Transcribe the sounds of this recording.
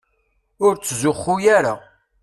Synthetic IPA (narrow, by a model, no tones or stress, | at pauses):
ʊɾt͡sːzʊχːujaɾa